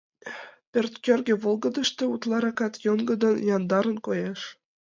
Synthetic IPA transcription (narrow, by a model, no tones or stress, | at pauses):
pʲørt̪kʲørɡʲĕβolˠɡɤ̆d̪ə̆ʃt̪ĕut̪lˠɑɾɑkɑt̪joŋɡə̆d̪ɤ̆njɑnd̪ɑɾə̆nkojɑʃ